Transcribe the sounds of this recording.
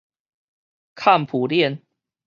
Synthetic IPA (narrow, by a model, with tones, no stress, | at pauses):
kʰa˥˨npʰu˨˩ljɛ˥˨n